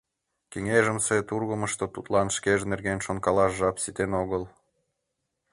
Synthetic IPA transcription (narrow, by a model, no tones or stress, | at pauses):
keŋeʒəmset̪urɣəməʃt̪ot̪ut̪lɑnʃkeʒnerɣenʃonkɑlɑʃʒɑpsit̪enoɣəl